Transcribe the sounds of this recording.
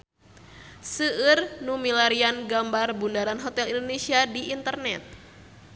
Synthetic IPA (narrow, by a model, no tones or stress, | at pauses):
səːrnumilaɾianɡambarbundaɾanɦot̪ɛlindonesiadiːnt̪ərnɛt̪̚